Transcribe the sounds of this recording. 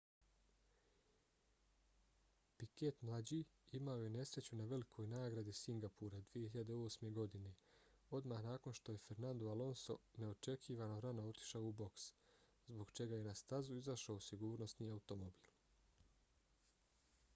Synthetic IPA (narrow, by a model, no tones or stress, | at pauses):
piket̪mlˠad͡ʑiːimao̞je̞ne̞sɾe̞t͡ɕunaʋe̞likʰo̞jnaːɡɾad̪isiŋɡapuɾad̪ʋije̞hiʎad̪e̞o̞ːsme̞ɡo̞d̪ine̞ | o̞d̪mahnaːko̞nʃt̪o̞je̞fe̞ɾnand̪ualo̞nso̞̰ne̞o̞t͡ʃe̞kʰiːʋano̞ɾanoo̞t̪i̥ʃaoubo̞ks | zbo̞ɡt͡ʃe̞ɡaje̞nast̪azuizaʃaosiɡuːɾno̞sniaut̪o̞mobiːlˠ